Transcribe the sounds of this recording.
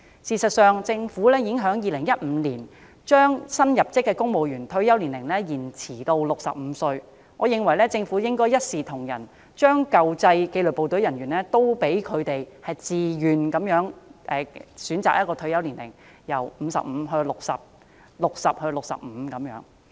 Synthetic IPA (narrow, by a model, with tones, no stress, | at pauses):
siː˨sɐ˨t̚sœː˨ŋt͡sɪ˧ŋfuː˨˥lɛː˥jɪ˨˥ŋɦœː˨˥ŋjiː˨˧lɪ˨˩ŋjɐ˥t̚m̩ː˨˧˥liː˨˩n | t͡ʃœː˥ŋsɐ˥njɐ˨˩p̚t͡sɪ˥kːɛː˧kʊ˥ŋmo˨wjyː˨˩nt̪ʰɵ˧ɥjɐ˥wliː˨˩nlɪ˨˩ŋlɛː˥jiː˨˩nt͡sʰiː˨˩t̪o˧wlʊ˨k̚sɐ̰˨p̚m̩˨˧˦sɵ˧ɥ | ŋɔː˨˧jɪ˨˩ŋwɐ˨˩jlɛː˥t͡sɪ˧ŋfu˨˥jɪ˥ŋkɔː˥jɐ˥t̚siː˨t̪ʰʊ˨˩ŋjɐ˨˩n | t͡ʃœː˥ŋkɐ˨wt͡sɐ˧jke˧jlɵ˨po˨wt̪ɵ˨˥ɥjɐ˨˩nɥyː˨˩nlɛː˥t̪o˥wpe˨˥jkʰɵ˨˧ɥt̪e˨jhɐ˨˩jt͡siː˨jyː˨nkɐ˨˥mjœː˨˥ŋʔɛː˨˩syː˨˥nt͡sa̰ː˨kjɐ˥tkɔː˧t̪ʰɵ˧ɥjɐ˥wliː˨˩nlɪ̰˨˩ŋ | jɐ˨˩wm̩ː˨˧sɐ̰˨p̚m̩ː˨˧˥ɦɵ˧ɥlʊ˨k̚sɐ̰˨p̚ | lʊ˨k̚sɐ̰˨p̚hɵ˧ɥlʊ˨k̚sɐ̰˨p̚m̩˨˧˥kɐ˨˧˥mjœ̰ː˨˥ŋ